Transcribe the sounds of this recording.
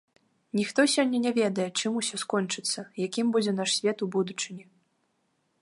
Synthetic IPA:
nʲixt̪ɔsʲɔnʲːɐnʲavʲɛd̪ɐjɛt͡ʂɨmusʲɔskɔnʲt͡ʂɨt̪sːɐjakʲimbud͡zʲɛn̪aʂsʲvʲɛt̪ubud̪ut͡ʂɨnʲi

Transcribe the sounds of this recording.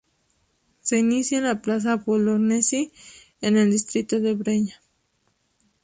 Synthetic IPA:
seinisjalaplas̬apoloɾnesi | eneld̪ist̪ɾit̪oðeβɾeɲa

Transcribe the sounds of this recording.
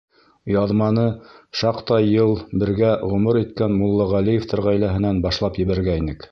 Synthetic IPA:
jɑðmɑnɤʃɑqt̪ɑjɤlˠbɘ̆ɾɡæʁɵ̆mɤɾit̪kænmulˠːɑʁælijeft̪ʰɘɾʁæjlæɦɘ̆nænbɑʃlˠɑpjɘ̆βæɾɡæinɘk

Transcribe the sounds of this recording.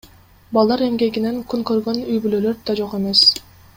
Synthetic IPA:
bɑlˠd̪ɑɾe̞mɡe̞ɡine̞ŋkʰunkøɾɡø̞nyjbylølø̞ɾd̪ɑd͡ʒo̞qe̞me̞s

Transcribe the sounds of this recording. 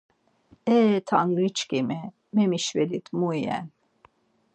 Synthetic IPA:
ɛt̪ʰaŋɡit͡ʃkimɛ | mɛmiʃvɛlit̪mujjɛ̰n

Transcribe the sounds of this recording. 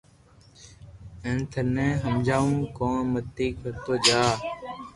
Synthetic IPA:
ẽːnt̪ʰənẽːɦəmd͡ʒaːʋũːkõːɳmət̪iːkət̪oːd͡ʒaː

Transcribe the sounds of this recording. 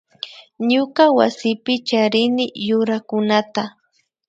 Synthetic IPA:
ɲʊkawa̰sɪpɪt͡ʃaɾɪnɪjʊɾakʊnat̪a

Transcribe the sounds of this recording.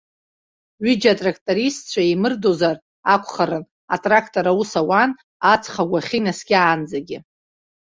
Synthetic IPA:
ɥid͡ʒatʼrakʰtʼoɾistt͡ɕʷʰaimɨrdo̞zar | akʷʰʼχaɾɨn | a̰tʼrakʰtʼoɾawusawan | at͡sʰχaɡʷaχʲinasɡʲɪaːnd͡zaɡʲɪ

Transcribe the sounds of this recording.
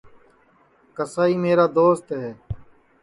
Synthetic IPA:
kəsaːiːmeːɾaːd̪oːst̪ɦɛː

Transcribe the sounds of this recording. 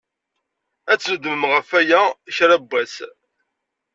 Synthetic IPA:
æt͡sːnəd̪məmʁəfæjæçɾæbːæs

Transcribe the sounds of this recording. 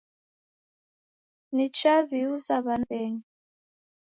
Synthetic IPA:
nit͡ʃaβiuzaβanbɛɲi

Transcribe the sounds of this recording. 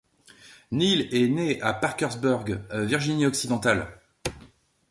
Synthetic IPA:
nilɛneapaʁkʲœʁzbuʁɡviʁʒiniɔksid̪ɑ̃t̪al

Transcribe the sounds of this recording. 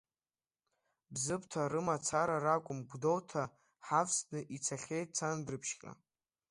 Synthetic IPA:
bzɨpʰʼtʰaɾɨmat͡sʰaɾaɾakʷʼʊmɡʷdo̞wtʰa | ħapsnɨʔit͡sʰaχʲejt̚t͡sʰandrɨpʰʃkʲʼa̰

